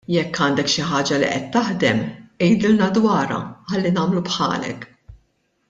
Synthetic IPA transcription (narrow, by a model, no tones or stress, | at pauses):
jɛkːɐːnd̪ɛkʃɪħɐːd͡ʒɐlḭʔɛt̪ːɐħd̪ɛmɛjd̪ɪlnɐd̪wɐːɾɐ̰ħɐlːinɐːmlupħɐ̰ːlɛ̰k